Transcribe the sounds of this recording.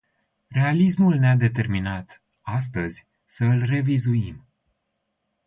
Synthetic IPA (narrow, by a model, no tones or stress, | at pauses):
re̞alis̬mulnead̪e̞t̪e̞rminat̪ | as̬t̪əzʲ | səɨlre̞vizuim